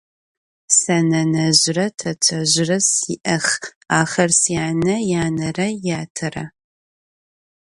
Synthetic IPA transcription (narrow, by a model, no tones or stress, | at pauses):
sɐnɐnɐʑɪrɐtʰɐtʰɐʑrɐsiːʔɐχ | aːχɐrsjaːnɐjaːnɐrɐjaːtʰɐrɐ̰